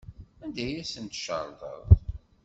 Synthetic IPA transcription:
ænd̪æjæsənt̪ʃə̰ɾˤðˤə̰ðˤ

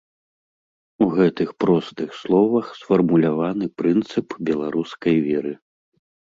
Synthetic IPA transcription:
uɣɛt̪ɨxpɾɔst̪ɨxslˠɔvɐxsfɐrmulʲavanɨpɾɨnt̪sɨpbʲɛlˠaɾʔuskɐjvʲɛɾɨ

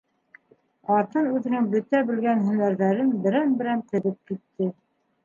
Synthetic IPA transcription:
ɑɾt̪ɤnʉðɘ̆nɘŋbɵt̪æbɘ̆lɡænɦɵ̆næɾðæɾɘnbɘ̆ɾænbɘ̆ɾænt̪ɘ̆βɘp̚kit̪ːɘ

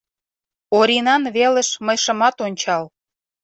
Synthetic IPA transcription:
oɾinɑnβelə̆ʃməjʃə̆mɑt̪onʲt͡ɕɑl

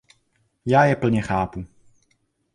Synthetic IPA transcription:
jaːjɛpl̩ɲɛxaːpu

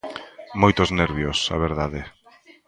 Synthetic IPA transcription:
mojt̪ozneɾβjosa̰βeɾðaðe

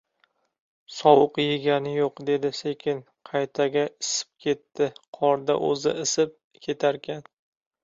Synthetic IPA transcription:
sɒwʊqjɪɡʲanɪjoqd̪e̞d̪ɪsekʲʰɪn | qʰɑjt̪ʰaɡʲaɪsɪ̥p̚kʲʰe̞t̪ːɪqʰɒɾd̪a̰ʔɵ̰zɪ̰ɪsɪp̚ | kʲʰe̞t̪ʰaɾkʲʰan

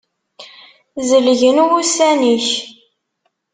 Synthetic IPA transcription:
zəlʝənwusæniç

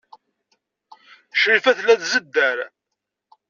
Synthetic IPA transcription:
ʃɾifæθlæðzəd̪ːæɾ

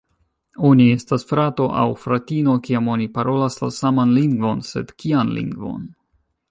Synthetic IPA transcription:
o̞nie̞stasfɾato̞ʔa̰wfɾatino̞kiamo̞nipaɾo̞lasla̰samanliŋɡvo̞nse̞̰d̥kianlḭŋɡvo̞̰n

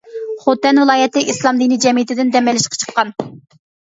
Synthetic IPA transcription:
χot̪ːɛnvɨlˠɑːjɛt̪ɪʔislˠɑmd̪inid͡ʒɛmijɪt̪ʰɪd̪ɪnd̪ɛmɛlɪʃqʰɑ̥t͡ʃʰə̥qːɑn

